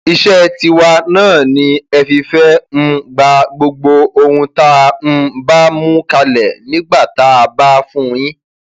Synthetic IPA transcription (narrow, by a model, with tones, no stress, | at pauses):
i˧ʃɛ˦ti˧wa˧nãː˦˨nĩ˧˦ɛ˧fi˧fɛ˦m̩˧ɡ͡ba˧ɡ͡bo˧ɡ͡bo˧o˧hũ˧ta˦˧m̩˧ba˦mũ˦ka˧lɛ˨nĩ˨˦ɡ͡ba˦˨ta˨˦a˧ba˦fũ˦˨ĩ˦